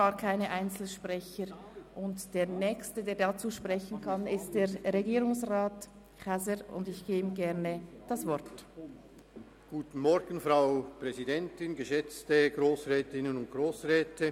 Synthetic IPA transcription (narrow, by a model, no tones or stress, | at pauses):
ɡaːkʰaɪnəʔaɪnt͡sl̩ʃpʁɛçəɾ | ʔʊntd̥eːɐnɛːçstədeːɐdat͡suːʃpʁɛçən̩kʰɑnɪstd̥eːɾʁeɡiːɾʊŋsʁaːt | kazəɾʊ̰ndɪçɡ̥eːbɡɛʁnəd̥asv̥ɔʁt | ɡ̥uːtn̩mɔɾɡən̩fɾaʊpʁ̥ɛzidɛntɪnɡəʃɛt͡stəɡɾoːsʁɛːtɪnənʊnt̚ɡ̥ʁoːsʁɛːtə